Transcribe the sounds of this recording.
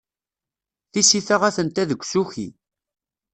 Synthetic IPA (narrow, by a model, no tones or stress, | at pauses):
θisiθaʁæθənt̪æðəɡʷːsuçḭ